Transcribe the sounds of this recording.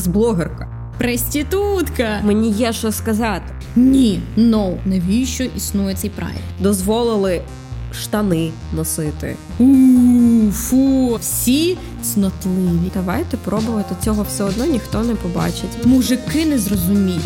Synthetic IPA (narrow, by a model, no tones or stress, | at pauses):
zblˠɔɦerkɐ | pɾesʲtʲit̪ut̪kɐmenʲijɛʃɔskɐzɑt̪ɪ̥ | nʲinɔwneʋʲijʃt͡ʃɔʔisnujɛt̪sɛjpɾɑ̰jɛ̰kd̪ɔzʋɔlˠɪlˠɪ | ʃt̪ɐnɪ | nɔsɪt̪ɪ̰ | u | fuwsʲi | snɐt̪lˠiʋʲid̪ɐʋɑjt̪ɛpɾɔbʊʋɐt̪ɪt͡sʲɔɦɔwsɛɔd̪nɔnʲixt̪ɔnɛpɔbɑ̰t͡ʃɪtʲmuʒɪkɪnɛzrɔzʊmʲijʲ